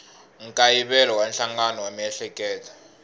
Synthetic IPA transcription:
ŋ̩kʼajiɓɛlɔwanɬaŋanɔwam̩ɛɬɛkʼɛːlɔ̥

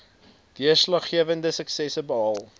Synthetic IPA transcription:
d̥iəslɐχχiəvəndəsəksɛsəbəɦɑlˠ

